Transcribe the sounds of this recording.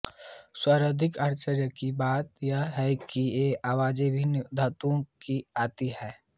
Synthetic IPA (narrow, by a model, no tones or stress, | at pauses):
swaːɾəd̪ʱɪkaɾt͡ʃəɾjəkibaːt̪jaɦɛkieaːwaːd͡ʒebʱind̪ʱaːt̪õkiaːt̪iɦɛː